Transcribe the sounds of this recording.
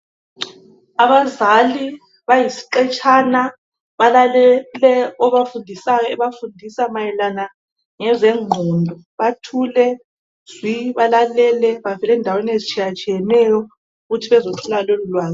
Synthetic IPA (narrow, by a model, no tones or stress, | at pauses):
aβazali | βajisi̥ǃɛt͡ʃʼana | βalalɛlɛɔβafundʱisajɔɛβafundʱisamajɛlana | ŋɛzɛŋ͡ǃʱɔndʱɔ | βatʰulɛ | z̥wiβalalɛlɛβavɛlɛːndʱawenezit͡ʃʼʰijat͡ʃʼijɛnɛjɔ | uɣutʰiβɛzotʰulalolulwaːzi